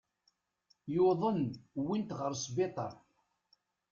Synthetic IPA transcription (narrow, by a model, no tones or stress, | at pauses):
joðˤənwint̪ʁəɾsbet̪ˤɑ̰ɾˤ